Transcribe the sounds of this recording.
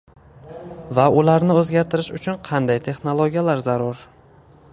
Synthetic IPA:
vaʊlaɾnɪɵzɡʲaɾt̪ʰɪɾɪʃʊt͡ʃʰʊnqʰɑnd̪ajt̪ʰe̞χnolˠoɡʲijalaɾzaɾʊɾ

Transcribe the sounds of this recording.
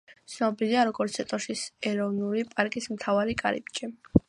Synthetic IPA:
t̪sʰnɔbiliaɾɔɡɔɾt̪sʰɛt̪ʼɔʃisɛɾɔvnulipʼaɾkʼismt̪ʰavaɾikʼa̰ɾḭpt͡ʃʼi

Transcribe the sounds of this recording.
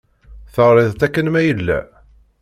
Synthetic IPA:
θəʁɾːˤɪðˤt̪ækːənmæjəlːæ̰

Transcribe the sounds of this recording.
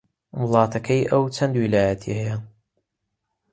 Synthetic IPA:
wəlˠɑːt̪ʰɐkʰɐjʔɐwt͡ʃʰɐnd̪wilaːjɐt̪ʰḭhɐja

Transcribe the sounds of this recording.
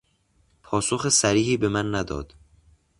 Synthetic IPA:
pʰɒːsoxesæɾiːhiːbemænːæd̪ɒ̰ːd̪̥

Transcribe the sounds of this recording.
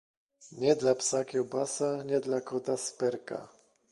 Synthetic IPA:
ɲɛd̪lapsakʲɔbasaɲɛd̪lakʰɔt̪aspɛɾka̰

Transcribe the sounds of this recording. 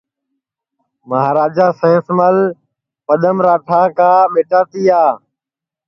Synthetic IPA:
məɦaːɾaːd͡ʒaːsẽːsməl | pəɗ̪əmɾaːʈʰãːkãːɓeːʈaːt̪iːaː

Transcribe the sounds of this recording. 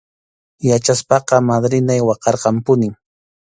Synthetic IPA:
jat͡ʃaspɑqɑmad̪ɾɪnajwɑqɑɾqɑmpʊnɪŋ

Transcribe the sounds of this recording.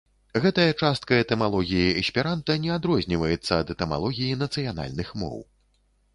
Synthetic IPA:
ɣɛt̪ɐjɐt͡ʂast̪̚kɐɛt̪ɛmalˠɔɣʲijiɛsʲpʲiɾant̪ɐnʲɛad̪ɾɔzʲnʲivɐjɛt̪sːɐːd̪ɛt̪ɛma̰lˠɔɣʲijin̪ɐt̪sɨjana̰lʲnɨxmɔ̰w

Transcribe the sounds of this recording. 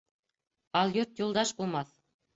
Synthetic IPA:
ɑlˠjot̪julˠd̪ɑʃbulˠmɑθ

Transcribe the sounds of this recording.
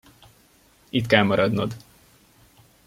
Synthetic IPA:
it̪kɛlmɒɾɒd̪nɒd̪

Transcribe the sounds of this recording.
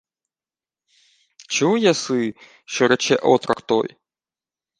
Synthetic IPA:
t͡ʃujɐsɨ | ʃɔɾɐt͡ʃɛʔɔt̪ɾɐkt̪ɔ̰j

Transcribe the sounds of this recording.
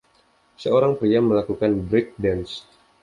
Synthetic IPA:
səoɾaŋpɾiaməlakukanbɾɪk̚dɛns

